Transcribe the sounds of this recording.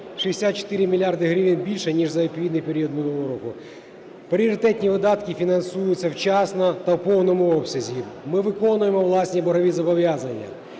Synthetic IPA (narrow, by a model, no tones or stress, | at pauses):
ʃijesʲat̪̚t͡ʃe̥t̪ɪɾʲɪmʲilʲiɑrd̪ɪɦɾʲiʋʲinbʲilʲʃɛnʲiʐzɐepʲiid̪nɪjpeɾʲiɔd̪mɪnˠuulˠɔɾɔkʊ | pɾʲɪɔɾɪt̪ɛtʲnʲiʋɪd̪ɑt̪kɪfʲinɐnsujʊt͡sʲːɐwt͡ʃɑsnɔt̪ɐwpɔwnɔmʊɔpsʲɐzʲibmɪʋɪkɔnʊjemɔʋlˠɑsʲnʲibɔɾɔʋʲizɐbɔʋʲjazɐnʲːɐ̰